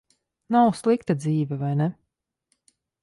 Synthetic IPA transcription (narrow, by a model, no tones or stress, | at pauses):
nawslˠikt̪ad̪ziːvʲɛvajnɛ